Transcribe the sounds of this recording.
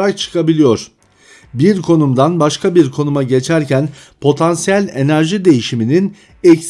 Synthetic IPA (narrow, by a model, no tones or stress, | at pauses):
ɾak̚t͡ʃʰɯ̥kʰabilʲijo̞ɾ̥ | biɾkʰo̞numd̪anbaʃkʰabiɾkʰo̞numaɟe̞t͡ʃʰæɾcʰænpʰo̞t̪ʰansijælʲe̞næɾʒid̪e̞jiʃiminin | ɛcs